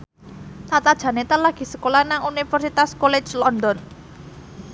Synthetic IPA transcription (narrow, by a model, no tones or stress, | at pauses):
t̪at̪ad̥ʒ̥ä̤net̪əlaɡ̥i̤səkolanaŋunifərsit̪askole̥t͡ʃlɔnd̪ɔn